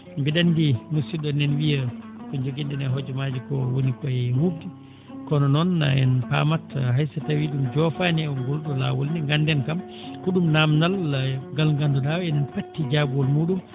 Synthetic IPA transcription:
ɡiɗandinusiɗɔnɛnwija | kɔd͡ʒoɡindɛnɛɦɔd͡ʒɔmad͡ʒikɔwonikɔjhudi | kɔnɔnɔnːa̰ɛ̰npa̰ːmatɦajsatawiɗumd͡ʒɔfanɛɔŋɡɔlɗɔla̰wɔlnɛŋɡandɛnkam | kuɗumnamnalːaɡalŋɡandɔɗawɛnɛnpatːid͡ʒabuwɔlmuːɗum

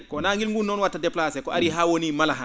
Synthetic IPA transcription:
kɔnaŋɡilŋɡunɔnwatːadɛplaːsɛkɔaɾiɦawonimalaɦã

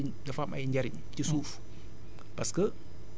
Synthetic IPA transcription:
ndafama̰jind͡ʒaɾin | t̪isuf | paskə

